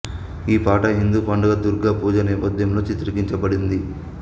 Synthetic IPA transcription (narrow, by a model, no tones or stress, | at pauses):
iːpaːʈɐɦind̪upɐɳɖɐɡɐd̪uɾɡaːpuːd͡ʒɐnɛːpɐd̪ʱjɐmlo̞ːt͡ʃit̪ɾikiɲt͡ʃɐbɐɽind̪i